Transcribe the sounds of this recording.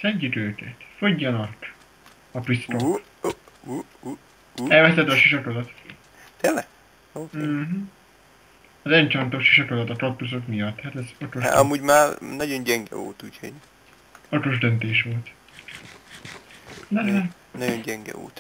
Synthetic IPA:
sɛɲcyt̪øːkɛ̰t̪fo̞ɟːɒnɒk | ɒpɾist̪o | u | ɛlvɛst̪ːɛd̪oʃiʃɒkod̪ɒt̪ | t̪elɛ | oːm̩ | ɒzɛnt͡ʃɒnt̪oʃi̥ʃɒkod̪ɒt̪ɒkɒp̚t̪usot̪mijɒt̪ːhat̪ɛzot̪oʒ̰ɒ̰muːɟmaːrnɒɟo̞nɟɛŋɡɛ̰o̰ːt̪uːcʰho̰ɟ | o̞t̪o̞ʒd̪ønt̪eːʃʋo̞lt̪ | nɛlɛ | nɒɟonɟɛŋɡɛ̰o̰ːt̪

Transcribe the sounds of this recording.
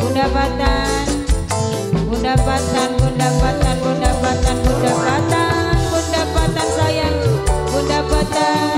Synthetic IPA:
bundapat̪a | n | bundapat̪anbundapat̪anbundapat̪anbundapat̪a | nbundapat̪ansajaŋbundapat̪a

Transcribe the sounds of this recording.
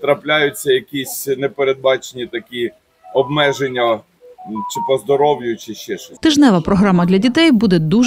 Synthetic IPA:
t̪ɾɐplʲajʊt͡sʲːɐjɐkʲisʲnɛpeɾed̪̚bɑt͡ʃenʲit̪ɐkʲi | ɔbmɛʒenʲːɐ | t͡ʃɪpɔzd̪ɔɾɔwjʲʊt͡ʃɪʃɛʃt̪ɪʒnɛʋɐpɾɔɦɾɑmɐd̪lʲɐdʲit̪ɛjbud̪ɛd̪u

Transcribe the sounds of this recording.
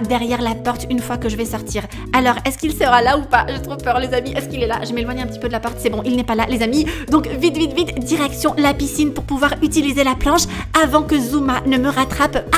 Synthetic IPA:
d̪ɛʁjɛʁlapɔʁt̪ynfwakəʒəvɛsɔʁt̪iʁ | alɔʁɛskilsəʁalaupaʒət̪χuvpœʁlezamiʔɛskilɛla̰ʒəmelwaɲɛ̃pət̪ipød̪əlapɔʁt̪sɛbɔ̃ʔilnɛpalalezamid̪ɔ̃kvit̪vit̪vit̪d̪iʁɛksjɔ̃lapisinpuʁpuvwaʁyt̪ilizelaplɑ̃ʃ | avɑ̃kəzumanəməʁat̪χapa

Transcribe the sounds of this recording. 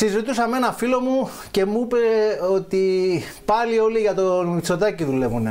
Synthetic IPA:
sizit̪usɐmenɐfilo̞mu | ce̞muuipeot̪ipɐlio̞liʝɐt̪omit͡so̞t̪ɐciðule̞vune

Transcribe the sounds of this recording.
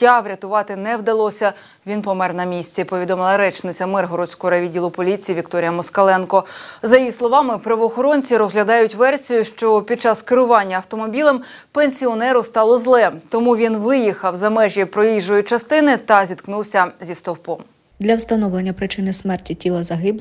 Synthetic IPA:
tʲɑʋɾʲɐt̪ʊʋɑt̪ɪnɛwd̪ɐlˠɔsʲɐ | ʋʲinpɔmɛrnɐmʲisʲt͡sʲɛpɔʋʲid̪ɔmɪlˠɐɾɛt͡ʃnɪt͡sʲɐmɪrɦɔɾɔt͡sʲkɔɦɔɾɐʋʲidʲilˠʊpɔlʲit͡sʲijːʋʲikt̪ɔɾʲijɐmɔskɐlˠɛnkɔzɐjjislˠɔʋɑmɪpɾɐʋɔːxɔɾɔnʲt͡sʲiɾɔzɦlʲɐd̪ɑjʊtʲʋɛrsʲijʊʃt͡ʃɔpʲid̪̚t͡ʃɑskɪɾʊʋɑnʲːɐːwt̪ɔmɔbʲilˠem | penʲsʲiɔnɛɾʊst̪ɑlˠɔzlˠɛt̪ɔmuʋʲinʋɪjixɐwzɐmɛʒʲɛpɾɔjiʒɔjʊt͡ʃɐst̪ɪnɪt̪ɐzʲit̪knuwsʲɐzʲist̪ɔwpɔm | d̪lʲɐwst̪ɐnɔʋlenʲːɐpɾɪt͡ʃɪnɪsmɛrtʲitʲilˠɐzɐɦɪbˠ

